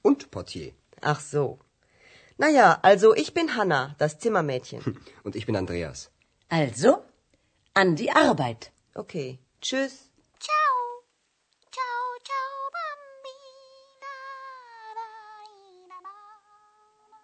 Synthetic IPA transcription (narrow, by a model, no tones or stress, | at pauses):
ʔʊntpʰɔɐtʰjḛː | ʔa̰χz̥oː | najaːʔalzoʔɪçb̥ɪnɦanad̥ast͡sɪmɐmɛːtçə̰nʔʊntɪçb̥ɪnandʁḛːa̰s | ʔalzo | ʔandiːʔaʁbaɪt | ʔokʰeː | t͡ʃʏs | t͡ʃaʊ | t͡ʃaʊt͡ʃaʊbambina